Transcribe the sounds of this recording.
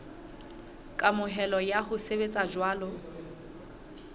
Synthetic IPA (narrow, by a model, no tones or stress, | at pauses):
kʼamʊɦɛlɔjahʊsebet͡sʼad͡ʒwaːlʊ